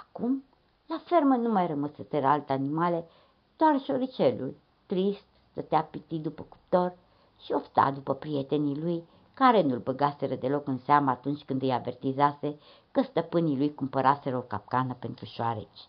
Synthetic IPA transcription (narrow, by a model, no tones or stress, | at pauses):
akum | lafermənumajrəməsət̪əɾalt̪eanimale | d̪̥oarʃoɾit͡ʃelṵl | t̪ɾist̪st̪ət̪eapit̪id̪upəku̥p̚t̪o̞r | ʃio̞ft̪a̰d̪upəpɾiet̪e̞niluj | kaɾenulbəɡase̞ɾəd̪e̞lo̞kɨnseaməːt̪unt͡ʃʲkɨnd̪ɨjavert̪izase̞ | kəst̪əpɨnilujkumpəɾʔase̞ɾəokap̚kanəpe̞nt̪ɾuʃoaɾḛt͡ʃʲ